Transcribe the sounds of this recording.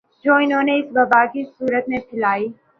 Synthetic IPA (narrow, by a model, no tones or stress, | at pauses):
d͡ʒoːɪnɦõːneɪsbɐbaːkisuːɾət̪mẽpʰɪlaːiː